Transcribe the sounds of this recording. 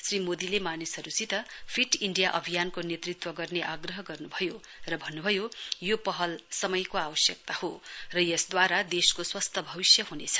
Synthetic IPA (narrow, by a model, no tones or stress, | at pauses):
srimod̪ilemanisʌɾut͡sit̪ʌpʰiʈiɳɖijaʔʌbʱijankonjet̪rit̪wʌɡʌrneʔaɡrʌɦʌɡʌrnubʱʌjo | rʌbʱʌnːubʱʌjojopʌɦʌlsʌmʌjkoawʌsjʌk̚t̪ahorʌjʌsd̪waɾad̪eskoswʌst̪ʰʌbʱʌβisjʌɦunet͡sʰʌ̥